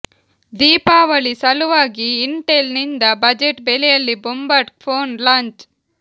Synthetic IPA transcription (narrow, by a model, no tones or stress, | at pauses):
d̪iːpaːʋɐɭisɐluʋaːɡiːɳʈelnind̪ɐbɐd͡ʒeʈbelɛjɐlːibumbɐʈk̚pʰoːnlaːɲt͡ʃ